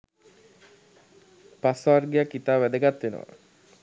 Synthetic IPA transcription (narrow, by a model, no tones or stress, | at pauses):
pasʋarɡijakːit̪aːʋæd̪əɡat̪ːʋenə̰ʋa̰